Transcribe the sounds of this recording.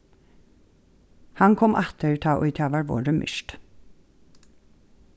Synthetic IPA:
hɑŋkʰɔmʔæt̪əɹt̪ʰɑːʔɔʏt̪ʰɑːʋɑːɾʋo̰ːɖəmʔʏ̰ʃʈ

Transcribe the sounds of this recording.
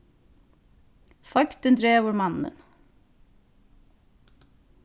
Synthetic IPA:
fɑkt̪ənd̪ɾeːʋəɾmɑnːə̰n

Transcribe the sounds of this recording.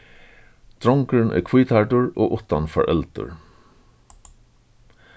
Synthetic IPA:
d̪̥ɹɔŋkəɹnʔɛ̰kʰvuːt̪ʰaɹʈʊɹo̰ːʔʊht̪anfɔ̰ɹʔɛlt̪ʊ̰ɹ

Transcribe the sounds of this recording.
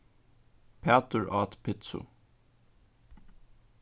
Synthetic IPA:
pʰæt̪əɹʔɑːt̪pʰɪt̪sʊ̰

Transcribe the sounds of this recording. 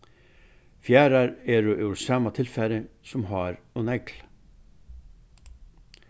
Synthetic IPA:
fjaːɾaɾɛɾʏʔɛɾsaːmat̪ʰɪlfɛɾɪsʊmɦaːɾ | ɔnɛkl̥

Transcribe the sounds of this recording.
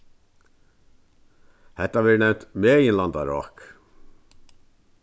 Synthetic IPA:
hɛt̪ːɑʋɛːɳɛt̪meːɪnlɑnd̪ɑɾɑ̰ːk

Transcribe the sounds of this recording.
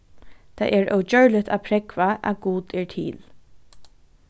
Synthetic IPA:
t̪ʰa̰ʔɛɹœ̰wd͡ʒœɹlɪt̪ʰa̰pʰɾɛkvaʔa̰ɡuːt̪ɛɹt̪ʰḭːl

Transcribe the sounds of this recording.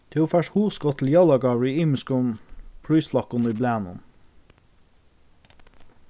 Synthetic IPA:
t̪ʰɛoːfæʃhuːʁskɔt̪ʰl̩jɑlɑɡɑɹiiːməskʊnpʰɽyːslɑkʊniːblæːnʊ̰n

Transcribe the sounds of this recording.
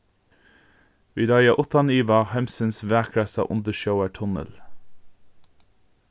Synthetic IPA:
ʋiːd̪ɑɪɑʔʊt̪ɑniːʋɑhæmsənsʋæːkʰɹæsɑ̰ʔʊ̰nd̪əʃəʊəʈʰʊnə̰l

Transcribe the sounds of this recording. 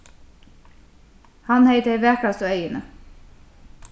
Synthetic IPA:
hɑnheɪt̪əeʋæːkʰɽɑsɔœʏənə

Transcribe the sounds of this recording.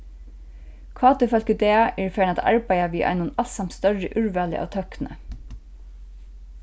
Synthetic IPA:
kʰɑːt̪ɪfœl̥kəd̪eːʔɛːɹfɛːnat̪ʰɑ̰ɹbæɪaʋiːʔɑ̰ɪnʊnɑlsɑmt̪st̪œɹəʔʉɹʋæːlə̰ʔɑ̰ːʋt̪ʰœknə̰

